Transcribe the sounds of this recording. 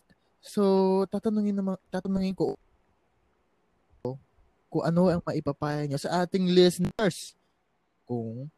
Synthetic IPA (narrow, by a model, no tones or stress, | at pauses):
sot̪aːt̪ɐnʊŋɪnːɐmɐt̪aːt̪ɐnʊŋɪnkoʔ | ʔo | kʊŋʔɐnoʔɐŋmɐʔɪpɐpaːjɐɲosɐʔaːt̪ɪŋlɛsɛnɛɹs | kʊŋ